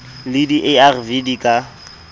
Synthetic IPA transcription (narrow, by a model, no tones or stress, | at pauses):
lɪdiʔɛarvidikʼa